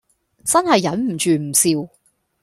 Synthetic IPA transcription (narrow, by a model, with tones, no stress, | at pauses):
t͡sɐ˥nhɐ˨jːɐ˨˥nm̩˨˩t͡ʃyː˨m̩˨˩siː˧w